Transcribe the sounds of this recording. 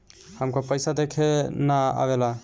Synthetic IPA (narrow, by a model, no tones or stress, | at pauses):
həmkopəjsad̪ekʰenaa̰βela